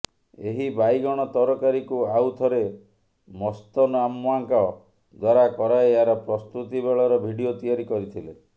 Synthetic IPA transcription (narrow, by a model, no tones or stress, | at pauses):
eɦibajɡɔɽ̃ɔt̪ɔɾɔkaɾikuawt̪ʰɔɾe | mɔst̪ɔnɔamːaŋkɔ | d̪waɾakɔɾaeeaɾɔpɾɔst̪ut̪ibeɭɔɾɔbʱiɽiot̪iaɾikɔɾit̪ʰile